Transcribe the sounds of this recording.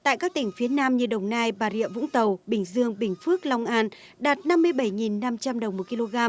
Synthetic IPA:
t̪a̰ː˧˨jkaː˦˥k̚t̪ï˧˩ŋ̟fi˨˦ənaː˧mɲɨ˧ɗə˨˩wŋ͡mnaː˧jɓaː˨˩ɾḭ˧˨əmvʊ̰˧˥ŋ͡mt̪ə˨˩wɓï˨˩ŋ̟zɨ˧əŋɓï˨˩ŋ̟fɨ˦˥ək̚la˧wŋ͡mʔaː˧n | ɗaː˨˩t̚na˧mːɨ˧əjɓə˧˩jŋi˨˩nːa˧mt͡ɕa˧mɗə˨˩wŋ͡mmːo˨˩t̚ki˧lo˧ɣaː˧m

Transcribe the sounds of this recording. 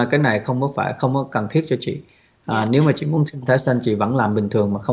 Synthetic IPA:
kaː˨˦jna˨˩jxə˧wŋ͡mkɔ˨˦faː˧˩jxə˧wŋ͡mkɔ˨˦kə˨˩nt̪ʰi˦˥ət̚t͡ɕɔ˧t͡ɕḭ˧˨ | ʔːne˨˦wmaː˨˩t͡ɕḭ˧˨mu˨˦ənsʰi˧ŋt̪ʰaː˨˦jsa˧ŋt͡ɕḭ˧˨və̰˧˥nlaː˨˩mɓï˨˩ŋ̟t̪ʰɨ˨˩əŋmaː˨˩xə˧w

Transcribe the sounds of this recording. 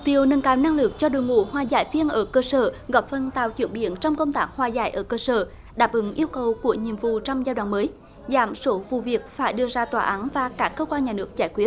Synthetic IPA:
mm̚˨t̪i˧əwnə˨˧˩nkaː˨˩wna˧ŋlɨ˨˩ək̚t͡ɕɔ˧ɗo̰˨jŋṵ˧˨hwaː˨˩za̰ː˧˩jvi˧ənʔəː˧˩kəː˧səː˧˩ɣɔ˨˩p̚fə˨˩nt̪a̰ː˧˨wt͡ɕwḭ˧˩ənɓḭ˧˩ənt͡ɕɔ˧wŋ͡mkə˧wŋ͡mt̪aː˦˥k̚hwaː˨˩za̰ː˧˩jʔəː˧˩kəː˧səː˧˩ | ɗaː˨˩p̚ʔɨ˨˦ŋʔi˧əwkə˨˩wku˧˩əɲḭ˧˨əmvṵ˧˨t͡ɕɔ˧wŋ͡mzaː˧jɗwa̰ː˧˨məː˨˦j | za̰ː˧˩mso˨˦vṵ˧˨vi˨˩ək̚faː˧˩jɗɨ˧əzaː˧t̪waː˧˩ʔaː˨˦nvaː˨˩kaː˦˥kːəː˧kwaː˧nɲaː˨˩nɨ˦˥ək̚t͡ɕaː˧˩jkwi˦ət̚

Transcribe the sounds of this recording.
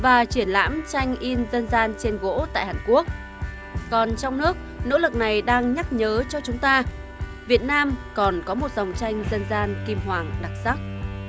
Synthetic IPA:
vaː˨˩t͡ɕwi˧˩ənla̰ː˧˥mt͡ɕa˧jŋ̟ʔi˧nzə˧nzaː˧nt͡ɕe˧nɣo̰˧˥t̪a̰ː˧˨jhaː˨˩nku˦˥ək̚ | kɔ˨˩nt͡ɕɔ˧wŋ͡mnɨ˦˥ək̚no̰˧˥lɨ˨˩k̚na˨˩jɗaː˧ŋɲa˦˥k̚ɲəː˨˦t͡ɕɔ˧t͡ɕʊ˨˦ŋ͡mt̪aː˧ | vi˨˩ət̚naː˧mkɔ˨˩nkɔ˨˦mo˨˩t̚za˨˩wŋ͡mt͡ɕa˧jŋ̟zə˧nzaː˧nki˧mɦwaː˨˩ŋɗa˨˩k̚sa˦˥k̚

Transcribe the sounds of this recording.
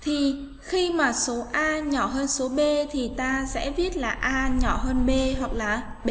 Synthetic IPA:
t̪ʰi˨˩ | xi˧maː˨˩so˨˦ʔaː˧ɲɔ˧˩ɦəː˧nso˨˦ɓe˧t̪ʰi˨˩t̪aː˧sɛ̰˧˥vi˦˥ət̚laː˨˩ʔaː˧ɲɔ˧˩ɦəː˧nɓe˧ɦwa˨˩k̚laː˨˩ | ɓ

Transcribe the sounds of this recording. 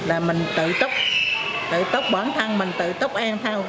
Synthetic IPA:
laː˨˩mi˨˩ŋ̟t̪ɨ̰˧˨t̪ə˦˥k͡p̚ | t̪ɨ̰˧˨t̪ə˦˥k͡p̚ɓɔː˧˩nt̪ʰə˧ŋmï˨˩ŋ̟t̪ɨ̰˧˨t̪ə˦˥k͡p̚ʔaː˧ŋt̪ʰa˧w

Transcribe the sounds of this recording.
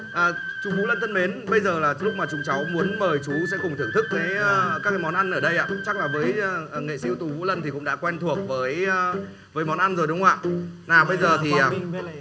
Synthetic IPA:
ʔəː˨˩t͡ɕu˨˦vṵ˨˦lə˧nt̪ə˧nme˨˦nɓə˧jzəː˨˩laː˨˩t͡ɕlʊ˥k͡p̚maː˨˩t͡ɕʊ˨˦ŋ͡mt͡ɕa˨˦wmu˨˦ənməː˨˩jt͡ɕu˨˦sɛ̰˧˥kʊ˨˩ŋ͡mt̪ʰɨ˧˩əŋt̪ʰɨ˦˥kːaː˨˦jkaː˦˥kːaː˨˦jmɔ˨˦nʔa˧nʔəː˧˩ɗə˧jʔa̰ː˧˨t͡ɕa˦˥k̚laː˨˩vəː˨˦jʔːŋḛ˧˨sḭ˧wt̪u˨˩vṵ˧˥lə˧nt̪ʰi˨˩kʊ̰˧˥ŋ͡mɗa̰ː˧˥kwɛ˧nt̪ʰu˨˩ək̚vəː˨˦j | vəː˨˦jmɔ˨˦nʔa˧nzo˨˩jɗʊ˨˦ŋ͡mʔa̰ː˧˨ʔnaː˨˩ɓə˧jzəː˨˩t̪ʰi˨˩ʔaː˨˩

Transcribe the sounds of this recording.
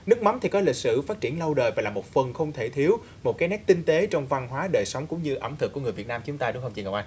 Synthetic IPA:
nɨ˦˥ək̚ma˨˦nt̪ʰi˨˩kɔ˨˦li˨˩k̚sɨ̰˧˨faː˦˥t̚t͡ɕi˧˩ənlə˧wɗəː˨˩jvaː˨˩laː˨˩mo˨˩t̚fə˨˩nxə˧wŋ͡mt̪ʰe˧˩t̪ʰi˨˦əw | mo˨˩t̚kaː˨˦jnɛ˦˥k̚t̪i˧ŋ̟t̪e˨˦t͡ɕɔ˧wŋ͡mva˧nɦwaː˨˦ɗəː˨˩jsə˨˦wŋ͡mkʊ̰˧˥ŋ͡mɲɨ˧ʔə̰˧˩mt̪ʰɨ˨˩kːŋɨ˨˩əv̚naː˧mt͡ɕʊ˨˦ŋ͡mt̪aː˧ʊ˨˦xə˧wŋ͡mt͡ɕḭ˧˨˩ŋə˨˩wʔaː˧˩

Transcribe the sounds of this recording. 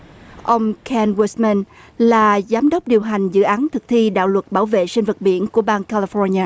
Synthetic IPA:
ʔə˧wŋ͡mkʰɛ˧nwi˧˦smə˧n | laː˨˩zaː˨˦mɗə˦˥p̚ɗi˨˩əwɦa˨˩jŋ̟zɨ̰˧˨ʔaː˨˦nt̪ʰɨ˨˩k̚t̪ʰi˧ɗa̰ː˧˨wlwə˨˩t̚ɓaː˧˩wvḛ˧˨si˧n̟və˨˩t̚ɓḭ˧˩˨ənku˧˩əɓaː˧ŋkaː˧li˧fɔ˧ɲaː˧

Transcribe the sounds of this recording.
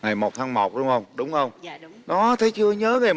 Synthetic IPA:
ŋa˨˩jmo˨˩t̚t̪ʰaː˧˦ŋmo˨˩t̚ɗʊ˨˧˦ŋ͡mhə˧wŋ͡mɗʊ˨˦wŋ͡mxə˧wŋ͡mɗɔ˨˦t̪ʰə˨˦jt͡ɕɨ˧əɲəː˨˦ve˨˩

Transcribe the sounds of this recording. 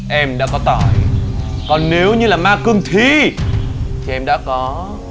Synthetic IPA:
ʔɛ˧mɗa̰ː˧˥kɔ˨˦t̪aː˧˩jkɔ˨˩nne˨˦wɲɨ˧laː˨˩maː˧kɨ˧əŋt̪ʰi˧ | t̪ʰi˨˩ʔɛ˧mɗa̰ː˧˥kɔ˨˦

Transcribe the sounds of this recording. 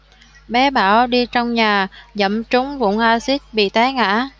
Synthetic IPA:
ɓɛ˨˦ɓaː˧˩wɗi˧t͡ɕɔ˧wŋ͡mɲaː˨˩zə̰˧˩mt͡ɕʊ˨˦ŋ͡mvʊ̰˧˩nʔaː˧si˦˥t̚ɓḭ˧˨t̪aː˨˦ŋa̰ː˧˥

